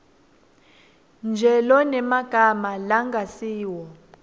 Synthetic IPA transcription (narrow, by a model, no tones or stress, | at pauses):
nd͡ʒʱɛlɔnɛmaɡ̥ʱamalaŋɡʱasiːwɔ